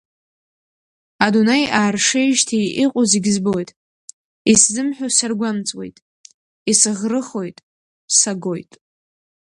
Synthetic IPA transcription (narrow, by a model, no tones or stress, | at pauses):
adunejaːrʂejʒtʰijʔiqʷʼʊziɡʲzbojtʼ | iszɨmħʷᶣosarɡʷamt͡sʼwe̞̰jtʼ | isɨʁrɨχo̞jtʼ | saɡojtʼ